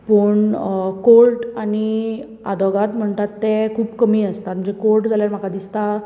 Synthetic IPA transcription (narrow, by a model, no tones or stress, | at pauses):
pəɳkoɾʈani | a̰d̪ʱɔɡat̪m̤əɳt̪at̪ːekʰuːbkəmiːəst̪at̪məd͡zekoɾʈd͡zʱaljaɾm̤akad̪ist̪a